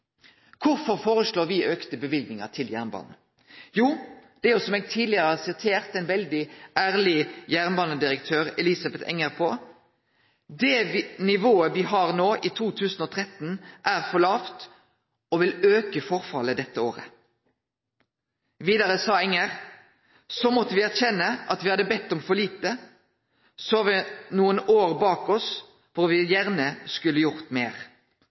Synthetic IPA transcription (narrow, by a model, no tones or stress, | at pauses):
kʰʊʁfɔʁfoːʁəsloːʁʋɪʔøːkt̪əbəʋɪlɡ̪nɪŋəʁt̪ʰɪljæ̰ʁnbɑ̰ːnn̩ | juːd̪̥ɛjʊsɔmeːɡ̚t̪ʰiːd̪lɪəʁəɑsɪt̪ʰeːʁt̪ɛnʋɛld̪ɪʔæːʁlɪjæːʁnbɑːnəd̪ɪʁəkt̪ʰøːʁɛlɪsɑbɛt̪ʰɛ̰ŋəʁpʰɔ | d̪ɛnɪʋoːəʋɪɦɑʁnoːʔit̪ʰuːt̪ʰʉːsn̩ɔːt̪ʰʁɛt̪n̩ʔæːʁfɔɭɑːft̪ | ɔʋɪløːkəfɔʁfɑləd̪ɛt̪ːəoːʁə̰ | ʋiːd̪ɑʁəsɑːɛŋːəʁ | sɔmɔt̪ːəʋɪæʁçɛnːəʔɑt̪ʋɪhɑd̪ːəbɛt̪ːɔmfɔɭiːt̪ə | sɔɑʋɪnuːənoːʁbɑːkɔs | fɔʁʋɪjæʁnəskʉlːəjʊʁt̪meːʁ